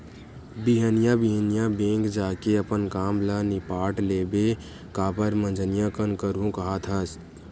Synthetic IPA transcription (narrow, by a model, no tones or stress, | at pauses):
biɦənijãbiɦənijãbẽːkd͡ʒaːkeəpənkaːmlanɪpaːʈleːbe | kaːpəɾmə̃nd͡ʒʱənijãkənkəɾũkɐɦat̪ʰəs